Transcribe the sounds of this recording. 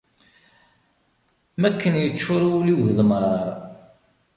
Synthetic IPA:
mækːənjət͡ʃːʊɾuliwðəlməɾˤ

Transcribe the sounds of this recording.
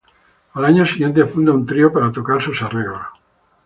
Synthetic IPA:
alaɲosiɣje̞nt̪eafund̪aunt̪ɾiopaɾat̪okaɾsusareɣla

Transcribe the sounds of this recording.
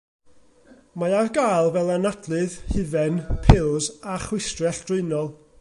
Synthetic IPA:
maarɡajlˠvɛlˠanadlˠɨðhɨvɛnpʰɪlˠzaχwɪstrɛɬd̥rʊɨnɔlˠ

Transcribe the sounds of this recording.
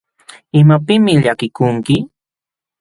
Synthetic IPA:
ɪmapɪmɪʎakɪkʊŋkɪ

